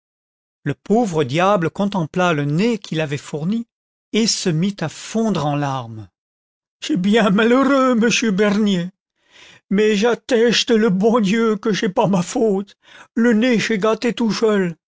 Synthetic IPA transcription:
ləpovʁəd̪jabləkɔ̃t̪ɑ̃plalənekʰilavɛfuʁni | esəmit̪afɔ̃d̪ʁɑ̃laʁm | ʃɛbjɛ̃maləʁøməsjøbɛʁnje | mɛʒat̪ɛʃt̪ələbɔ̃d̪jøkəʒɛpamafot̪ | ləneʃɛɡat̪et̪usœl

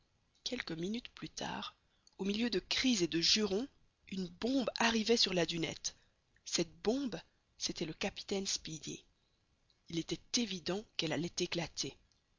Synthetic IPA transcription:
kʲɛlkəminyt̪plyt̪ʰa̰ːʁ | omiljød̪əkχized̪əʒyʁɔ̃ | ynbɔ̃baʁivɛsyʁlad̪ynɛ̰t̪ | sɛt̪̚bɔ̃b | set̪ɛləkapi̥t̪ɛnspid̪ḛ | ilet̪ɛt̪evid̪ɑ̃kɛlalɛt̪eklat̪ʰe

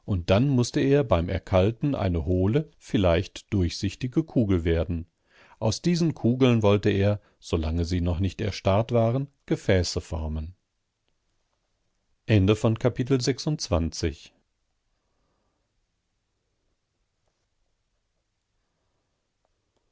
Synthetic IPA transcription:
ʔʊnt̚d̥anmʊstəeːɐbaɪmʔɛ̰ɐkʰaltn̩ʔa̰ɪnəhoːləfɪlaɪçtd̥ʊɐçz̥ɪçtɪɡəkʰuːɡl̩veːɐdn̩ | ʔaʊsd̥iːzn̩kʰuːɡl̩nvɔltəeːɐ | z̥olaŋəziːnɔχnɪçtɛ̰ɐʃtaɐtv̥aːʁən | ɡ̥əfɛːsəfɔɐmən | ʔɛndəfɔnkʰapɪtl̩zɛksʊntt͡sv̥ant͡sɪ̰ç

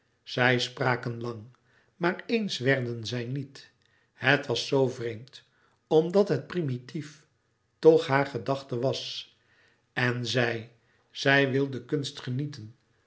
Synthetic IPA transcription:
z̥ɛjspraːkənlɑŋ | maːɹejnsʋɛɹdənzɛjnit | hətʋɑsːowvrejmt | ɔmdɑtɦət̚primitif | tɔχɦaːɹχədɑχtəʋɑs | ɛnzɛj | z̥ɛjʋɪlˠdəkɵnstχənitən

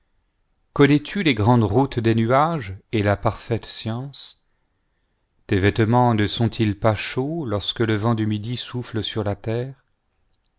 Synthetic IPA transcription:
kɔnɛt̪ʰyleɡʁɑ̃d̪ʁut̪d̪enyaʒelapaʁfɛt̪sjɑ̃s | t̪evɛt̪mɑ̃nəsɔ̃t̪ʰilpaʃolɔʁskələvɑ̃d̪ymid̪isufləsyʁlat̪ɛːʁ

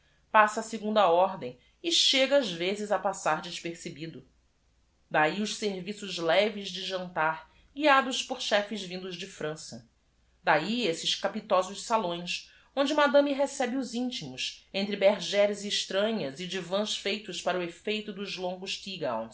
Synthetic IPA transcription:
pasɐːsɪɡũnd̪ɐɔɦd̪ẽj̃ | ɪʃeɡɐazvezɪzɐpasaɾd͡ʒɪʃpeɾsebid̪ʊ | d̪aiʊʃseɾvisʊzlɛvɪzd͡ʒɪʒɐ̃nt̪aɾ | ɡiad̪ʊʃpʊɾʃɛfɪzvĩnd̪ʊʒd͡ʒɪfɾɐ̃sɐ | d̪aiesɪʃkapit̪ɔzʊʃsalõj̃s | õnd͡ʒɪmad̪ɐ̃miɦesɛbɪʊzĩnt͡ʃimʊsẽnt̪ɾɪbeɾʒɛɾɪzɪʃt̪ɾɐ̃ɲɐzɪd͡ʒɪvɐ̃ʃfejt̪ʊʃpaɾɐʊefejt̪ʊd̪ʊzlõŋɡʊʃt̪iɡa̰w̃

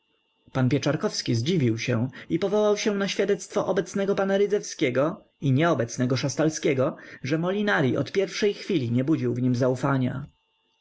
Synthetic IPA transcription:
panpʲjɛt͡ʂaɾkɔfskʲizd͡ʑivʲiwɕɛw̃ipɔvɔwawɕɛw̃naɕfʲjad̪ɛt̪st̪fɔʔɔbɛt̪snɛɡɔpanaɾɘd̪zɛfskʲɛɡɔ | iɲɛɔbɛt̪snɛɡɔʂast̪alskʲɛɡɔʐɛmɔlʲinaɾʲiʔɔ̰t̪pʲjɛɾfʂɛjxfʲilʲiɲɛbud͡ʑiwvɲimzaufaɲa̰

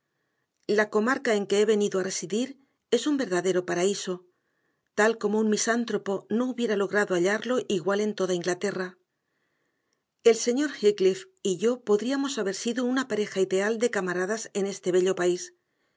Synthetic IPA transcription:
lako̞maɾkae̞ŋke̞eβ̞e̞niðoare̞siðiɾ | e̞sumbe̞ɾðaðe̞ɾo̞paɾaiso̞ | t̪alko̞mo̞unmisant̪ɾo̞po̞no̞uβje̞ɾalo̞ɣ̞ɾaðoaʎaɾlo̞ʔiɣwale̞nt̪o̞ð̞aiŋɡlat̪e̞ra | e̞lse̞ɲo̞ɾxiklif | iʝo̞po̞ðɾiamo̞saβe̞ɾsiðounapaɾe̞xaiðe̞ald̪e̞kamaɾaðase̞ne̞st̪e̞β̞e̞ʎo̞pais

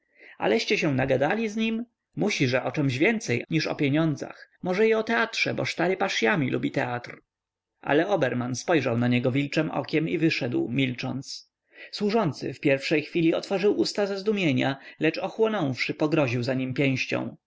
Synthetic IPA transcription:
a̰lɛɕt͡ɕɛɕɛ̃naɡad̪alʲizɲim | muɕiʐɛʔɔt͡ʂɛmʑvʲjɛnt̪sɛjɲiʂɔ̰pʲjeɲɔnd̪za̰xmɔʐɛjiɔt̪ɛatʂɛbɔʂt̪aɾɘpaʂjamʲilʔubʲit̪ɛat̪ɾ | ʔa̰lɛɔbɛɾmanspɔjʐawnaɲɛɡɔvʲilt͡ʂɛmʔɔ̰kʲɛmivɘʂɛd̪wmʲilt͡ʂɔ̰nt̪s | swuʐɔnt̪sɘ̰fpʲjɛɾfʂɛjxfʲilʲiɔt̪fɔʐɘwust̪azazd̪umʲjeɲalɛt͡ʂɔxwɔnɔ̃w̃fʂɘpɔɡɾɔʑiwzaɲimpʲjɛ̃w̃ɕt͡ɕɔ̰̃w̃

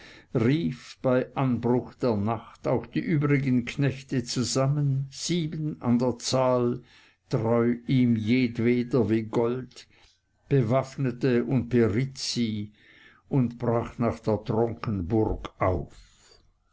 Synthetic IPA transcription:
ʁiːfb̥aɪʔanbʁʊxd̥eːɐnaχtaʊxd̥iːʔyːbʁɪɡənkʰnɛçtət͡suzamənz̥iːbəna̰ndeːɐt͡saːl | tʁɔʏiːmjeːdveːdɐviːɡɔlt | b̥əvafnətəʊnt̚b̥eʁɪtt͡si | ʊntb̥ʁaːχnaːχd̥eːɐtʁɔŋkənbʊrɡʔaʊf

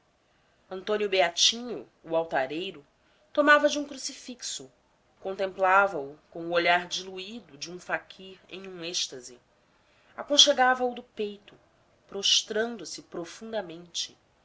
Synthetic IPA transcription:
ɐ̃nt̪õnjʊbeat͡ʃĩɲʊː | awt̪aɾejɾʊ | t̪omavɐd͡ʒɪũkɾusifiksʊ | kõnt̪ẽmplavɐukõʊoʎaɾd͡ʒiluid̪ʊd͡ʒɪũfakʰiɾḛ̃j̃ũɛʃt̪ɐzɪ | akõʃeɡavɐud̪ʊpejt̪ʊ | pɾoʃt̪ɾɐ̃nd̪ʊsɪpɾofũnd̪ɐmẽnt͡ʃɪ

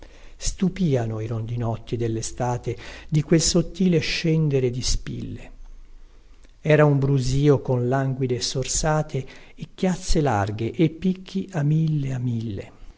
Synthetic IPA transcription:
st̪upiːanoiɾond̪inɔt̪ːid̪elːest̪aːt̪ed̪ikwelsot̪ːiːleʃɛnd̪eɾed̪ispḭlːe | ɛːɾaumbɾuziːokonlaŋɡwid̪esorsaːt̪ʰeː | kːjat̪sːelarɡeʔepːikʰːiʔamilːeamːilːḛ

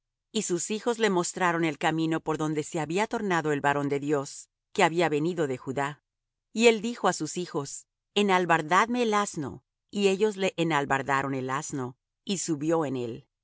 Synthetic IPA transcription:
isusixo̞zlemo̞st̪ɾaɾo̞ne̞lkamĩno̞po̞ɾðo̞nd̪e̞se̞aβiat̪o̞ɾnaðo̞e̞lβaɾo̞nd̪e̞ðjo̞s | ke̞aβiaβe̞niðo̞ðe̞xuða | ie̞ld̪ixo̞asusixo̞s | enalβaɾðaðme̞ːlazno̞̰ | ie̞ʝo̞zle̞ʔenalβaɾðaɾo̞ne̞lazno̞ | isuβjo̞ene̞l

